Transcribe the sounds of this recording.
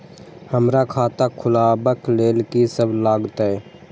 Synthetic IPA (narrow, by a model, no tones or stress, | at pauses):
həmɾakʰaːt̪akʰʊlabəkleːlkisəblaːɡt̪ɦɛː